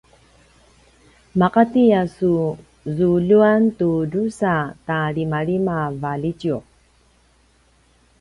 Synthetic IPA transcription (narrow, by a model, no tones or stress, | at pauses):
maqatijasu | zuɮuantuɾusataɭimaɭimavalit͡ɕju